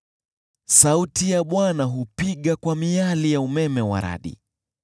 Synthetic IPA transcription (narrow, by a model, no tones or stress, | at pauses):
sautijaɓwanaɦupiɠakwamialijaumɛmɛwa̰ɾa̰ɗḭ